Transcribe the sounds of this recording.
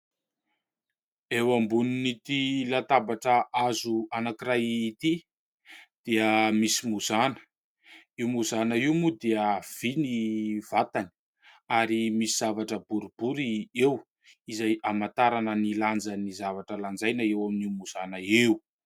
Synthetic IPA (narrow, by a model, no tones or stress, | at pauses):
ewambuninit̪ilat̪abaʈ͡ʂəʔazuanakiɾajit̪i | d̪̥eəmisimuz̥anə̥ | iumuzanaiwmud̪eəv̥iniv̥at̪ani̥ | aɾimisiz̥avaʈ͡ʂəbuɾibuɾiew | izajamat̪aɾanəniland͡zanizavaʈ͡ʂəland͡zajnəewaminiumuz̥anaeu